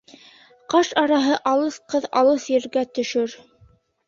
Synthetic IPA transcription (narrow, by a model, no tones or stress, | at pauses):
qɑʃɑɾɑɦɤʔɑlˠɤsqɤðɑ̰lˠɤsjɘ̆ɾɡæt̪ɵ̆ʃɵɾ